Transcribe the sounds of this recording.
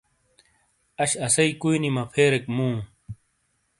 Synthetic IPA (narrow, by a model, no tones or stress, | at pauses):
ɐɕɐsɐikuinimɐpʰeːɾekmũː